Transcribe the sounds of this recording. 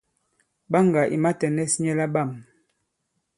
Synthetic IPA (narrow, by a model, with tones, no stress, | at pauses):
ba˦ŋɡa˨ʔḭ˨ma˦tɛ˨nɛ˦sɲɛ˦la˦ba˦˨m